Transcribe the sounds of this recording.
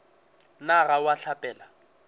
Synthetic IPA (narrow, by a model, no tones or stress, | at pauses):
naɣawaɬapʼɛːla